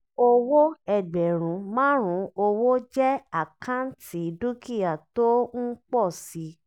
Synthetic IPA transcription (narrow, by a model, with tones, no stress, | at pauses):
o˧wo˦ɛ˦˨ɡ͡bɛ˨ɾ̃ũ˨˦mãː˦ɾ̃ũ˨˦o˧wo˦d͡ʒɛ˦a˦˨kã˦n̩˦ti˨˦du˦ki˦˨a˨to˦ŋ̩˦k͡pɔ˦˨si˨˦